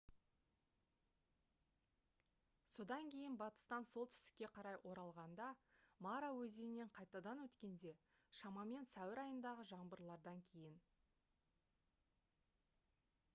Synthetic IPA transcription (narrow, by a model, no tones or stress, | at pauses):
so̞d̪ɑŋkʲʰe̞jɪnbɑt̪ə̥st̪ɑnso̞lˠt̪ʰʏ̥st̪ɪ̥kʲːe̞qʰɑɾɑjʔo̞ɾɑlˠʁɑnd̪ɑmɑɾawɵzeɪnːe̞ɴqʰɑjt̪ɑd̪ɑnwɵt̪kʲe̞nd̪e̞ | ʃɑmɑme̞nsæwɪɾɑjənd̪ɑʁəʒɑɴbəɾlˠɑɾd̪ɑŋkʲʰe̞jɪn